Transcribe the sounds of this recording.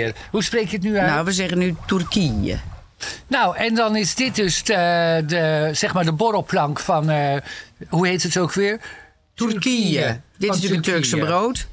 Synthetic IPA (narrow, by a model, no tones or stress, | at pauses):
rhuspreːkjətnynaʋəzɛɣənytyrkiə̰ | nowʔɛndɑnɪsdɪt̚døsdəsɛxmaːɹdəboroplɑŋkfɔn | huheːtətowkʰʋɪːr | tyrkiədɪtɪsyətørksəbroːt